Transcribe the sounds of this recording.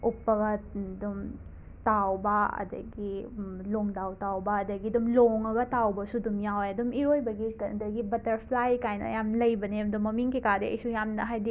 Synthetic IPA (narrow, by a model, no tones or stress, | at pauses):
upːɐɡɐdum | tawbɐɐ̰dɐ̰ɡiloŋdawtawbɐɐdɐɡidumloŋɐɡɐtawbɐsudumjawejɐdumiɾojbɐɡitɐdɐɡibɐtɐɾpʰlajkajnɐ̰jamlɐjbɐnedumːɐmiŋkikadeɐ̰jsujamnɐɦajdi